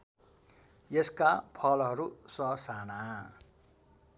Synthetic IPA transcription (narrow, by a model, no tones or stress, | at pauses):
jeskapʰʌlɦʌɾusʌsana